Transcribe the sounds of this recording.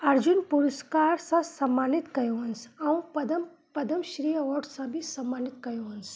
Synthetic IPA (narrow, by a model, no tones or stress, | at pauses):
ɐɾd͡ʒunpuɾuskaːɾsɐ̃sɐmːaːnit̪kɐjoʋɐnsɐũpɐd̪ɐm | pɐd̪ɐmʃɾiːɐʋɔɾɖsãbʱisɐmːaːnit̪kɐjoʋɐns